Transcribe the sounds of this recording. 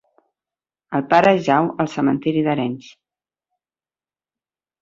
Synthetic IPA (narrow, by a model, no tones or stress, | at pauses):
əlˠpaɾəʒawəlˠsəmənt̪iɾiðəɾɛns